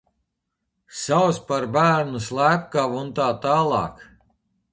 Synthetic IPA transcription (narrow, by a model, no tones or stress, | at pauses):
sawspaɾbæːɾnuslˠæːp̚kavunt̪aːt̪aːlˠɑ̰ːk